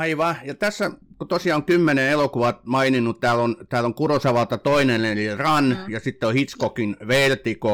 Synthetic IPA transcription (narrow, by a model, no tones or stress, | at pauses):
ɑiʋɑjɑt̪æsːækot̪osiɑːoŋkymːeneelokuʋɑt̪mɑininːut̪t̪æːlont̪æːloŋkurosɑʋɑlt̪ɑt̪oinenelirɑnjɑsit̪ːeohit̪skokinʋelt̪iko